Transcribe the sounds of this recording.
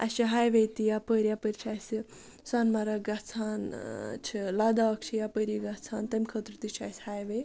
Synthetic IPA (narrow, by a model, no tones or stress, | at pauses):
ɐ̰st͡ʃʰiɦajʋejt̪ijapəɾjapəɾʲt͡ʃʰasi | sanmaɾɐɡɐht͡sʰant͡ʃʰilad̪akt͡ʃʰijapəɾiɡat͡sʰaːnt̪ɐmkʰɐt̪ɾut̪it͡ʃʰa̰shajʋɐj